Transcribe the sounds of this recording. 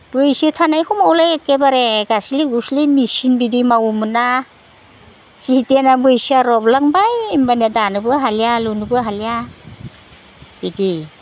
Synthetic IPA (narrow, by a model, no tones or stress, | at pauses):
b̥ɯjsitʰanajkʰɔmawlajakebaɾeɡasiliɡuslimisinbidimawumɯna | sitenabɯjsiaɾɔblaŋbajimbanadanɯbɯɦaljalunubɯɦalija | b̥idi